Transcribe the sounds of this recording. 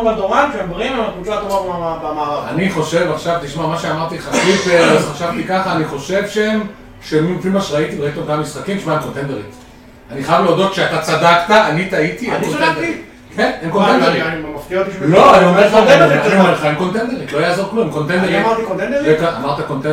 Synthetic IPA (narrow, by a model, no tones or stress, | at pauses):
mad̪oʁanʃeembʁimematut͡ʃat̪omaʁabmaaaniχoʃe̞vaχʃavt̪iʃmamaʃeamaʁt̪iχasipeʁzχaʃavt̪ikaχaːniχo̞ʃe̞vʃeem | ʃemifimaʃeʁait̪iʁait̪iot̪ammisχakimiʃmaemkont̪endeʁit̪ | aniχajavleodo̞t̪ʃeat̪at͡sadakt̪aʔanit̪ait̪iemkonnd̪ei | kenemkontendeʁimaft̪iaot̪iʃlo̞aniomefaeemχaemko̞nt̪end̪e̞ʁit̪loajaːzo̞ʁklumkont̪endeamaʁt̪ikont̪end̪eʁekaa̰maʁt̪akont̪e